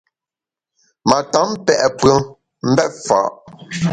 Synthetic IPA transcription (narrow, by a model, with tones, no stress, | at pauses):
ma˨ta˨˦m˦pɛ˨ʔpɰə˦ | m̩˦bɛ˦t̚fa̰ː˨˦ʔ